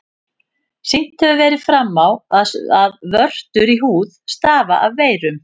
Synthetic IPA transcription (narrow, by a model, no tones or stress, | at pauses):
sɪjn̥t̪hœvʏvɛːɾɪðfɾamːawaaðvœr̥t̪ʏɾiɦuːðst̪aːvaʔavːeːjɾʏm